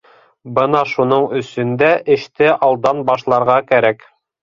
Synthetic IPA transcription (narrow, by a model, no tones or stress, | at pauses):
bɤnɑʃunɤɴɵ̆sɵ̆nd̪æʔɘ̆ʃt̪ɘʔɑlˠd̪ɑnbɑʃlˠɑɾʁɑkæɾæk